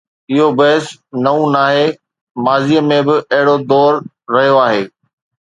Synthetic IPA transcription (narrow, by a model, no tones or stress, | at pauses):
ɪɦobɐɦɪsnɐũnaːɦeː | maːzijəmẽbɪʔɐɦɪɽod̪ɔːɾː | ɐɦijoaːɦeː